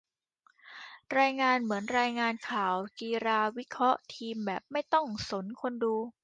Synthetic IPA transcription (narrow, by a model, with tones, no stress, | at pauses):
ɾaː˧jŋaː˧nmɯ˩˦ənɾaː˧jŋaː˧nkʰaː˨˩˦wkiː˧ɾaː˧wi˦˥kʰɾɔ˦˥ʔt̪ʰiː˧mbɛː˨˩p̚ma˥˩jt̪ɔ˥˩ŋso˩˦nkʰo˧nduː˧